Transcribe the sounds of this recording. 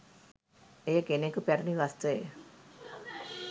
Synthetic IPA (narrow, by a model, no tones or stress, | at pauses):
ejəkenekupæɾəniʋast̪əḛ